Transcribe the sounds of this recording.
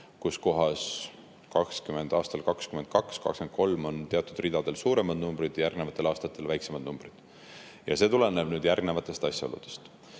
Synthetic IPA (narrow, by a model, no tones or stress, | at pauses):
kusko̞ɦɑs | kɑkskyme̞nd̪̥ɑːst̪ɑlkɑkskymend̪̚kɑkskɑ̰kske̞nko̞lmo̞nt̪eɑt̪ːˑud̪̥rid̪̥ɑd̪e̞lsuːɾe̞mɑd̪numbɾid̪̥jæɾrɡne̞vɑt̪ːˑe̞lɑːst̪ɑt̪ːˑe̞lvæjksemɑd̪̥numb̥rid̪̥ | jɑse̞ːt̪ule̞ne̞b̥nyːd̪jærɡne̞vɑt̪ːˑe̞st̪ɑsʲjɑolṵd̪̥e̞̥st̪